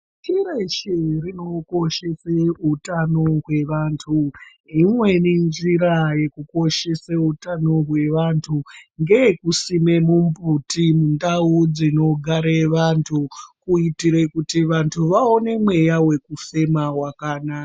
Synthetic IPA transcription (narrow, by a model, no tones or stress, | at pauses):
tʰiɾeʃerino̞ko̞ʃe̞seutano̞ɦwe̞ʋantʰu | imwe̞nind͡ʒiɾaje̞kuko̞ʃe̞seutano̞rwe̞ʋantʰuŋɡeekusime̞mumbutimundaud͡zino̞ɡʱaɾeʋantʰukuitiɾekutiʋantʰuʋaone̞mwe̞jawe̞kufe̞mawakaːnaka